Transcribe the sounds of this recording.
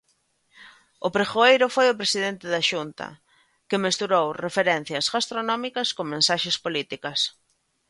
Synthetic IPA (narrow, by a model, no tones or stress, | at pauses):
ʊpɾexoejɾʊfojʊpɾesiðent̪ɪðɐʃunt̪ɐ̰ | kɪmest̪uɾowrefeɾɛn̟θjɐsɣast̪ɾonɔmikɐskoŋmẽnsaʃespolit̪ikɐs